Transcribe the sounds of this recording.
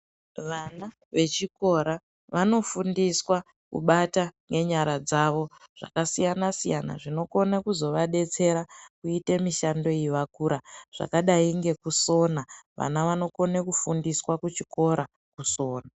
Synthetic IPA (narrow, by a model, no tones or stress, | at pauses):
ʋana | ʋe̞t͡ʃiko̞ɾa | ʋano̞fundiswa | kṵɓataŋɡe̞ɲaɾad͡zaʋo̞ʐ̥a̰kasijanasijana̰ʐino̞ko̞nekuzo̞ʋaɗe̞t͡se̞ɾakuite̞miʃando̞iiʋakuɾaʐ̥a̰kaɗaiŋɡe̞kuso̞naʋʔa̰naʋano̞ko̞nekufundiswakut͡ʃiko̞ɾa | kuso̞ːna